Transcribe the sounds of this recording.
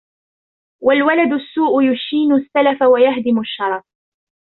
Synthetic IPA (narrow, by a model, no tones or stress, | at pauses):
walwalad̪ʊsːuːʔʊjʊʃiːnʊsːalafawajahd̪ɪmʊʃːɑɾˤɑf